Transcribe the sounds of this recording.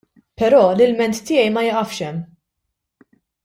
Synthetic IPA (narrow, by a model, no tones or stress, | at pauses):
pɛɾɔːlɪlmɛnt̪ːɪːjɛjmɐjɪʔɐfʃɛmː